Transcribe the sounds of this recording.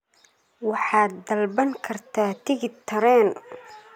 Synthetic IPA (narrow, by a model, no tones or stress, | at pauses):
wɑħɑːd̪ːɐlbɐŋkʰɐrt̪ʰaːt̪ʰɪɣɪt̪ʰɐɾɛːn